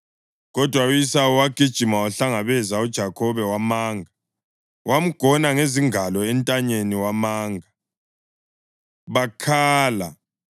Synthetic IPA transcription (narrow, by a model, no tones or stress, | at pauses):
ɣɔd̥ʱwaujisawuwaɡ̥ʱid̥ʒ̥ʱimawaɬaŋaβɛzaud̥ʒ̥ʱakʰɔβɛwamaːŋʱa | wʔam̩ɡ̥ʱɔnaŋeziŋalɔɛntʼaɲeniwamaːŋa | βakʰaːla